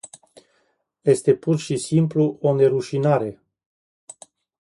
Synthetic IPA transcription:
je̞st̪e̞purʃisimpluo̞ne̞ɾuʃinaɾe̞

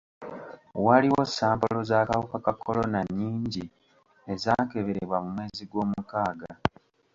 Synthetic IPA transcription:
waliwo̞sːaːmpolo̞zaːkawukakakʰːo̞lonaɲːiːɲɟi | e̞zake̞βe̞ɾeβwamumwe̞ːziɡwo̞ːmukaːɡa

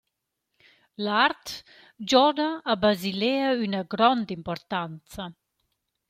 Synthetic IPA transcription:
laɾt̪ | d͡ʒɔdaːbazileaynaɡɾɔnd̪impɔɾt̪ant͡sa

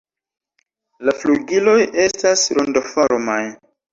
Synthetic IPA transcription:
lafluɡilo̞je̞stasɾondofoɾmaj

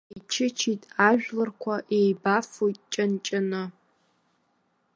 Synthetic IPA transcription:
it͡ʃʰɪt͡ʃʰitʼaʒᶣlɨrkʷʰaʔejbafujtʼt͡ʃʼant͡ʃʼɪnɨ

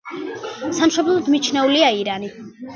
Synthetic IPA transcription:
samʃɔblˠɔd̪mit͡ʃʰnɛuliaiɾani

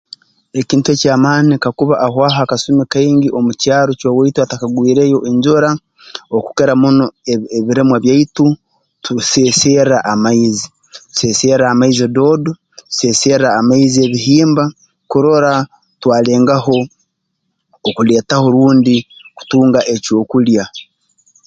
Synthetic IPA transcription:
eciːntuecaːmaːnikakuβaʔːhwaːɦakasumikaiːŋɡiʔomucaːɾocowaituatakaɡwiːɾejo̞ʔeɲɟoɾa | oku̥keɾamunoeeβiɾemwaβjaitu | tuseserɾaʔamaizi | tu̥seseɾɾaːmaizidoːdo | tu̥seːseɾɾaːmaizie̞βiɦiːmba | kuɾoɾa | twaːle̞ːŋɡaho̞ | okule̞ːtaho̞ɾuːndiku̥tuːŋɡaʔe̞co̞ːkulja

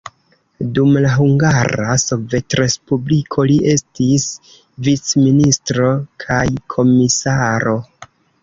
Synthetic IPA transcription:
dumlaɦuŋɡaɾa̰so̞ve̞tɾe̞spublikʰo̞liʔe̞stis | vit͡sministɾo̞kʰajkʰo̞misaɾo̞

